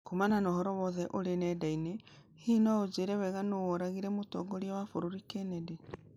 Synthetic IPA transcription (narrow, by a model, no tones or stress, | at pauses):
komananɔhɔɾɔwɔðɛʔoɾenɛdaine | hiːnɔod͡ʒeɾɛwɛɣanowɔɾaɣiɾɛmotɔːɡɔɾiawafoɾoɾikɛnɛde